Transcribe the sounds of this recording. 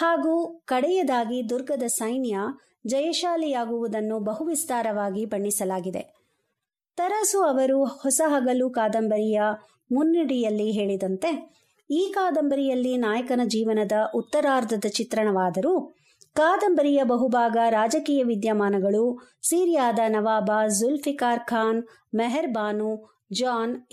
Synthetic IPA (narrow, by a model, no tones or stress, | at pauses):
haːɡuːkɐɽɛjɐd̪aːɡid̪uɾɡɐd̪ɐsɐjnjɐ | d͡ʒɐjɐʃaːlijaːɡuʋud̪ɐnːubɐɦuʋist̪aːɾɐʋaːɡibɐɳːisɐlaːɡid̪e̞̰ | t̪ɐɾɐsuɐʋɐɾuhɔsɐɦaːɡɐlukaːd̪ɐmbɐɾijɐ | munːiɽijɐlːiɦeːɭid̪ɐnt̪e̞ | iːkaːd̪ɐmbɐɾijɐlːinaːjɐkɐnɐd͡ʒiːʋɐnɐd̪ɐʔut̪ːɐɾaːɾd̪ʱɐd̪ɐt͡ʃit̪ɾɐɳɐʋaːd̪ɐɾu | kaːd̪ɐmbɐɾijɐbɐɦubʱaːɡɐɾaːd͡ʒɐkiːjɐʋid̪jɐmaːnɐɡɐɭu | siːɾjaːd̪ɐnɐʋaːbaːzulfikaːɾkʰaːn | mɛɦɛɾbaːnu | d͡ʒaːn